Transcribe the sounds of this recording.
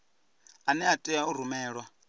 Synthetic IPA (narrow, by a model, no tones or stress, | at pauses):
anɛatʼɛaur̤umɛːɺwa